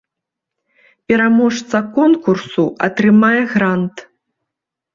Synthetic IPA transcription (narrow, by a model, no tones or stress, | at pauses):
pʲɛɾamɔʂt̪sɐkɔnkursuɐt̪ɾɨmajɛɣɾant̪